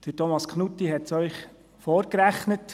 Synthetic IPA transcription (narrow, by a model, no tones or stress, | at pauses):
d̪̥ətomɑskχnut̪ːiɦɛtsœʏχ | foːɾkɾæχnət